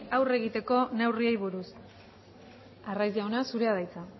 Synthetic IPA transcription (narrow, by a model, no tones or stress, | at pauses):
awre̞ɣit̪e̞ko̞ne̞wriejβuɾus | arajzawnasuɾe̞aðajt͡sa